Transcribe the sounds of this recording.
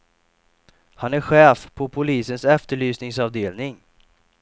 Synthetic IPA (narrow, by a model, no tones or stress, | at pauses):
hanæɾɧɛːfpʰɔpʰʊliːsənsɛft̪əɭyːsnɪŋsɑvd̪eːlnɪŋ